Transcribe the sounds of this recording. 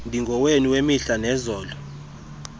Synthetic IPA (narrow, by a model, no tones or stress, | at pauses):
ndʱiŋɡʱɔweniwemiɬanɛzɔːlɔ